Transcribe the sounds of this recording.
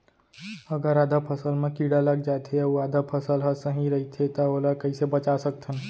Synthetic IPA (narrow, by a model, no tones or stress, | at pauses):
əɡəɾaːd̪əpʰəsəlmẽkiːɽaləɡ̚d͡ʒat̪ʰeɐuaːd̪əpʰəsəlɦəsəɦĩɾɐɦit̪ʰet̪əoːlakɐisebət͡ʃasək̚t̪ʰən